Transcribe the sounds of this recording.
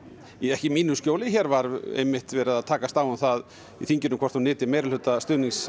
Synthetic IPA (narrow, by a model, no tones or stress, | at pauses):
iɛhcɪmiːnʏskcjoːwlɪçɛːɾvaɾḛjmːɪht̪vɛːɾɪðaðt̪ʰaːkast̪aːwʏmθað | ḭθiɲcʏnʏmkʰɔɾ̥t̪hunɪːt̪ɪmeːjɾɪlʏt̪ast̪ʏːniŋs